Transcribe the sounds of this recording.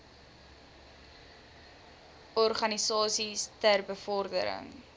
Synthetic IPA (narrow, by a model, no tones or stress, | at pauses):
ɔrχɐnisɑːsistərbəfɔrdə̰ɾə̰ŋ